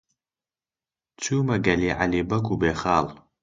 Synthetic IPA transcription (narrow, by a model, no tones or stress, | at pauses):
t͡sʷʰumaɡaliːʕa̰libɐɡʷubeːχaːl